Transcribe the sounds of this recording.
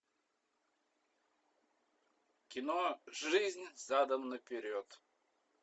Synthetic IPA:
kʲɪnoʐɨzʲnʲzad̪əmnəpʲɪɾʲot̪

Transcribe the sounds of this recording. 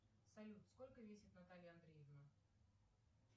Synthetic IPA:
sɐlʲut̪sko̞lʲkəvʲesʲɪt̪nɐt̪alʲɪjəɐnd̪ɾʲejəvnə

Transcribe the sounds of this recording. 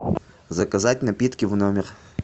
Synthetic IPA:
zɐkɐzat̚ʲnɐpʲit̪kʲivnomʲɪr

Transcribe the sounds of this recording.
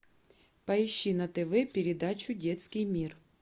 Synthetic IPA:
pɐiʃːinɐt̪ɪʋɪpʲiɾʲɪd̪ɑt͡ʃʲʊdʲɛt̪sʲkɪjmʲir

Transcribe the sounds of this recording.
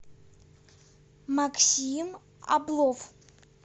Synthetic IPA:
makʰsim | a̰blˠov

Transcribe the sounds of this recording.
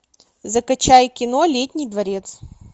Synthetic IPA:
zəkɐt͡ɕajkʲɪnolʲetʲnʲɪjd̪vɐɾʲet̪s

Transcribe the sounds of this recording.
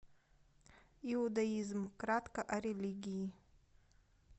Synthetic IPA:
ɪʊd̪ɐizmkɾat̪kɐʔɐɾʲelʲiɡʲɪi

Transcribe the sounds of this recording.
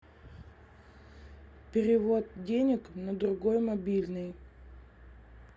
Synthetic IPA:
pʲɪɾʲɪvot̪̚dʲenʲɪknəd̪ɾʊɡojmɐbʲilʲnɨj

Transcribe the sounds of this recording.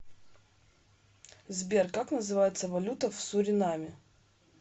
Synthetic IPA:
zbʲerkaknəzɨvajɪt̪səvɐlʲut̪əfsʊɾʲɪnamʲɪ

